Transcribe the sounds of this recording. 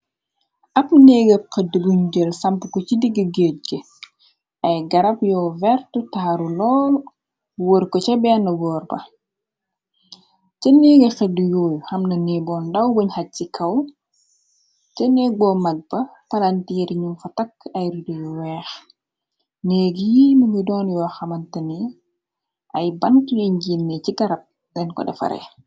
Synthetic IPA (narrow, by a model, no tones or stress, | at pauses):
ʔɐpnɛːɡəxədubuɲɟəlsɐmpukɔcidiɡəɡəːt̚ɡə | ɐjɡɐɾɐpjɔːvɛrtutaɾulɔːl | woɾkɔcɐbɛːnɐwɔːrbɐ̰ | cɐnɛːɡɐxɐdujoːjuhɐmnɐnibɔːndɐwbuɲhɐcikʰɐw | t͡ʃɛnɛɡɔmɐɡ̚b̥ɐpɐlantiːɾɲumfɐtɐkːɐjɾudujuwɛːx | nɛːɡjimuŋidɔːnjɔːxɐmɐntɐni | ʔɐjbɐntjiɲɟinːɛciɡɐɾɐp̚ | dɛnkɔ̰dɐ̰fɐ̰ɾɛ̰